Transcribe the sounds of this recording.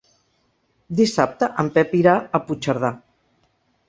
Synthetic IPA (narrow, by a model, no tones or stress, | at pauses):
d̪isap̚t̪əʔəmpɛpiɾaəput͡ʃəɾð̞a